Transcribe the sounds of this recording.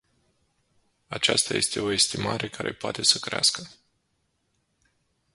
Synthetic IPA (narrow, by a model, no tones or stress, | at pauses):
at͡ʃast̪aje̞̰st̪e̞o̞e̞st̪imaɾʔe̞kaɾʔe̞poat̪e̞səkɾeaskə